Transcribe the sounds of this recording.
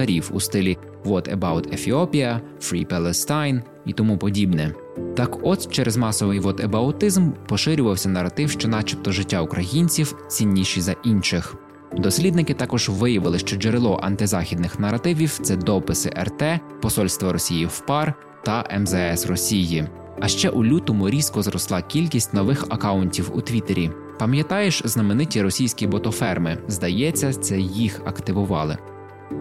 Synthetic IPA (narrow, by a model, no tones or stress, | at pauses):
t̪ɐɾʲiwṵst̪ɪlʲi | ʋɔt̪ebawt̪ʰefʲiɔpʲijɐ | fɾʲḭpɛlˠɛst̪ajn | it̪ɔmupɔdʲibnɛ | t̪ɑkɔst͡ʃɛɾʔɛzmɑsɔʋɪjʋɔt̪ebɐʊt̪ɪzmpɔʃɪɾʲʊʋɐwsʲɐnɐrɐt̪ɪwʃt͡ʃɔnɑt͡ʃipt̪ɔʒɪtʲːaukɾʔɐjinʲt͡sʲiw | t͡sʲinʲːiʃizɐʔinʃɪx | d̪ɔsʲlʲid̪nɪkɪt̪ɑkɔʒ̥ʋɪjɐʋɪlˠɪʃt͡ʃɔd͡ʒeɾɪlˠɔʔɐ̰nt̪ɪzɑxʲid̪nɪxnɐɾɐt̪ɪʋʲiwt̪sɛd̪ɔpɪsɪ̰ʔɛ̰rt̪ɛpɔsɔlʲst̪ʋɔɾɔsʲijiwpɑr | t̪ɐʔɛmzɛɛsrɔsʲiji | ɐʃt͡ʃɛʔʊlʲut̪ɔmʊɾʲiskɔzɾɔslˠɑkʲilʲkʲisʲtʲnɔʋɪxɐkɑʊnʲtʲiwʊ̰t̪ʋʲit̪eɾʲi | pɐmʲjɐt̪ɑjeʃznɐmenɪtʲiɾɔsʲijsʲkʲijbɔt̪ɔfɛrmɪzd̪ɐjɛt͡sʲːɐt̪sɛjixɐkt̪ɪʋʊʋɑlˠɪ̰